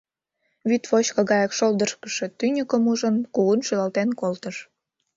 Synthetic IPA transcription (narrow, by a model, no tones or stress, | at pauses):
βyt̪fot͡ɕkɤɣɑjɑkʃold̪əʃkə̥ʃe̽t̪ynʲəkəmuʒənkuunʃylɑlt̪enkolt̪əʃ